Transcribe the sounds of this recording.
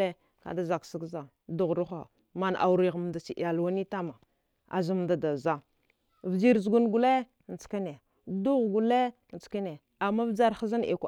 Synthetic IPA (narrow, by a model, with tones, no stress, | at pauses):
e˦ | ka̰˨da˦za˨ksi˦ɡza˨ | du˨ɣɾu˦xa̰˨ | ma˨n˨ʔa̰˨wu˨ɾi˨ɣm˨da˨si˨ʔa˨lwa˦ni˦ta˦ma˨ | a̰˨zi˦m˨da˨da˨za˦ | vd͡ʒi˦ɾzɡu˦nɡu˨le˦˨ | n˨t͡ska˦ne˨ | du˦ɣɡu˨le˦˨ | t͡ska˦ne˨ | a˨mːa˦vd͡ʒa˦ɾxa˦za˦nḛ˨kʷ